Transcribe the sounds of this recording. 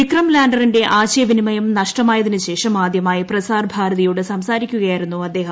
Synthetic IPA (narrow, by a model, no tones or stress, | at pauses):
ikrɐmlaːɳɖɐrinde̞ʔaːɕjɐʋinimɐjɐmnɐʂʈɐmaːjɐðinɨɕe̞ːʂɐmaːd̪jɐmaːjiprɐsaːrbʱaːɾɐðɐjuːɽɨsɐmsaːɾikʲːuɣɐjaːjiɾunːuɐd̪ːe̞ːɦɐm